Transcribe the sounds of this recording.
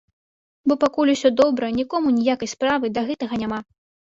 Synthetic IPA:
bɔpakulʲusʲɔd̪ɔbɾɐnʲikɔmunʲijakɐjspɾavɨd̪ɐɣɛt̪ɐɣɐnʲama

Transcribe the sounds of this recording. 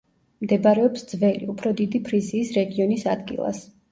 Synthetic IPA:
md̪ɛbaɾɛɔpsd̪zvɛlḭupʰɾɔd̪id̪ipʰɾiziːsɾɛɡiɔnisad̪ɡḭlˠa̰s

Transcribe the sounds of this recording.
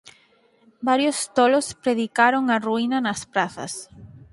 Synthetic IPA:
baɾjost̪olospɾeðikaɾoŋɐruinɐnɐspɾaθɐ̰s

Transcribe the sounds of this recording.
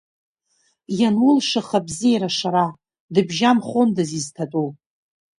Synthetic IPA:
janwʊlʂaχabziejɾaʂaɾa | dɨbʒamχondaziztʰatʼu

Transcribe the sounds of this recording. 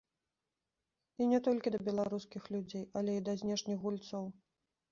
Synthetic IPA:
inʲɛt̪ɔlʲkʲid̪ɐbʲɛlˠaɾuskʲixlʲud͡zʲejɐlʲɛid̪ɐzʲnʲɛʂnʲixɣɣulʲt̪sɔw

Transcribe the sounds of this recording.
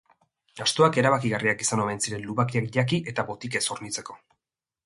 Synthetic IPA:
ɡast̪oake̞ɾaβakiɣariakisanoajnsiɾe̞nluβakiakʝakiʔe̞t̪aβo̞t̪ike̞soɾnit͡se̞ko̞̥

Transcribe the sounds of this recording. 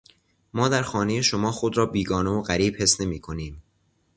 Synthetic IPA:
mɒːd̪æɾxɒːne̞je̞ʃo̞mɒːxod̪ɾɒːbiːɡɒːneoɣæɾiːb̥he̞sne̞miːkʰo̞niːm

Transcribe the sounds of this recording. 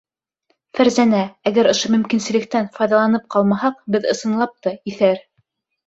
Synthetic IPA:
fæɾzænææɡæɾŏʃɤmɵ̆mkinsɘ̆lɘ̆k̚t̪ænfɑjðɑlˠɑnɤp̚qɑlˠmɑhɑqbɘðɤ̆sɤ̆nlˠɑp̚t̪ɤiθæɾ

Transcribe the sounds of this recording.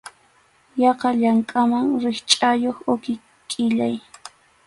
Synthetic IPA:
jɑqɑʎaŋkʼamaŋɾɪχt͡ʃʼajoχʊkɪ | kʼɪʎaj

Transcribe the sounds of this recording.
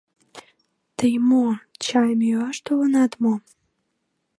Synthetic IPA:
t̪əjmot͡ɕɑjmiøɑʃt̪olənɑt̪mo

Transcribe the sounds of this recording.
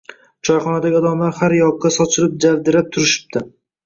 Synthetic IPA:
t͡ʃʰɒjχɒnad̪aɡʲɪɒd̪ɒmlaɾhaɾjɒɡ̚ːasɒt͡ʃʰɪɾɪp̚d͡ʒavd̪ɪɾap̚t̪ʰʊɾɪʃɪ̥p̚t̪ɪ

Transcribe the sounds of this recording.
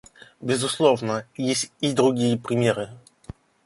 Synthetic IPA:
bʲɪzʊslˠovnəjesʲtʲid̪ɾʊɡʲijəpɾʲɪmʲeɾɨ

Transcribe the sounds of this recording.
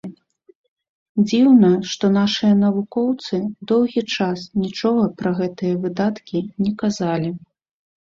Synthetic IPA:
d͡zʲiwnɐʂt̪ɔn̪aʂɨjɐn̪ɐvukɔwt̪sɨd̪ɔwɣʲit͡ʂasnʲit͡ʂɔɣɐpɾɐɣɛt̪ɨjɐvɨd̪at̪kʲinʲɛkazalʲi

